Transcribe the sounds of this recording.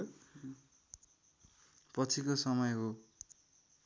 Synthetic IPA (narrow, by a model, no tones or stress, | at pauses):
pʌt͡sʰikosʌmʌjɦo